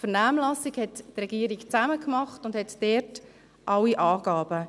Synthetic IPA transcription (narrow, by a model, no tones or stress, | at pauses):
fəɾnæːmlɑsiɡhɛtːrɛɡ̥iəɾikt͡sæməkmɑχtʊndhɛtd̥ɛt | ʔɑwiʔɑːɡ̥ɑːb̥ə